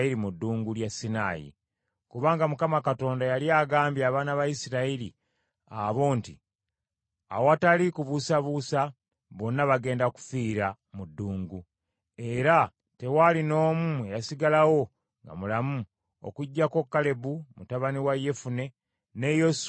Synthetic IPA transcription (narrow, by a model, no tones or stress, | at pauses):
iɾimudːuːŋɡuljasinaːjḭ | kuβaːŋɡamukamakato̞ːndajaljaːɡaːmbjaːβaːnaβajisiɾailḭ | aβo̞ːnti | a̰woatalikuβusaβusa | βo̞nːaβaɡe̞ːndaku̥fiːɾa | mudːuːŋɡu | e̞ɾa | te̞walino̞ːmuejasiɡalawo̞ | ŋɡa̰mulamu | o̰kuɟːako̞kːale̞bumutaβaniwaje̞fune̞ | ne̞jos